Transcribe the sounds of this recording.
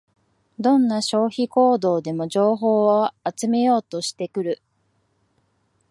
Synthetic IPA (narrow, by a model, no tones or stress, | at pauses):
d̪õ̞nːaɕo̞ːçiko̞ːd̪o̞ːd̪e̞mo̞ʑo̞ːɦo̞ːoat͡sɨme̞jo̞ːt̪o̞ɕi̥t̪e̞kɯ̟ɾɯ̟